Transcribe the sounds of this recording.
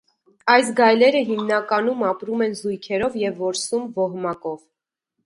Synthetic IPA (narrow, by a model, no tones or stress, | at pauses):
ɑjs̬ɡɑjlɛɾəɦimnɑkɑnumɑpɾumɛnzujkʰɛɾɔvjɛvːɔɾsumvɔɦmɑkɔv